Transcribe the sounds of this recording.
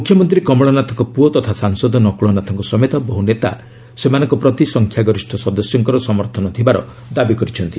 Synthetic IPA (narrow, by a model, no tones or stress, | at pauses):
mukʰjɔmɔnt̪ɾikɔmɔɭɔnat̪ʰɔŋkɔpuɔt̪ɔt̪ʰasaŋsɔd̪ɔnɔkuɭɔnat̪ʰɔŋkɔsɔmet̪ɔbɔɦunet̪a̰ | semanɔŋkɔpɾɔt̪isɔŋkʰjaɡɔɾisʈʰɔsɔd̪ɔsjɔŋkɔɾɔsɔmɔɾt̪ʰɔnɔt̪ʰibaɾɔ̰ | d̪abikɔɾit͡ʃʰɔnt̪i